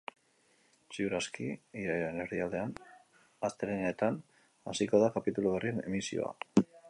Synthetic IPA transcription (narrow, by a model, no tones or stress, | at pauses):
siuɾaskiiɾajɾeneɾðiald̪e̞an | ast̪eɾenaet̪an | asiko̞ðakapit̪uluβeriene̞̰misio̞̰a̰